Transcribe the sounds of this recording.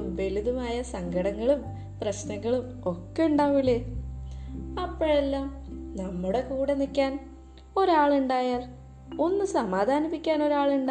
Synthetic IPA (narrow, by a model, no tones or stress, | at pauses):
ʋeliðumaːjɐsɐŋɡʱɐɽɐŋːɐɭum | prɐɕnɐŋːɐɭum | o̞kːe̞uɳɖaːʋilːe | ɐpːoɭe̞lːaːmnɐmːuɽe̞kuːɽenikʲːaːn | o̞ɾaːɭuɳɖaːjaːl | o̞nːusɐmaːd̪ʱaːnipːikʲːaːno̞ɾaːɭuɳɖa